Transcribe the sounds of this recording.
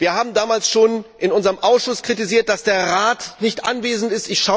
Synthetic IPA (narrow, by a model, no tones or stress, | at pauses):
viːɐhaːbm̩daːmaːlsʃoːnʔɪnʊnzəʁəmʔaʊsʃʊskʁ̥itiziːɐt̚d̥asd̥eːɐʁaːtnɪçtʔanveːzn̩tɪstɪçʃa